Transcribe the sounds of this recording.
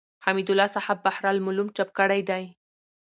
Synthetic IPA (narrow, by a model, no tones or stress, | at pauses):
hamid̪ʊlɑsahabːahɾɑlmʊlumt͡ʃap̚kəɽajd̪aj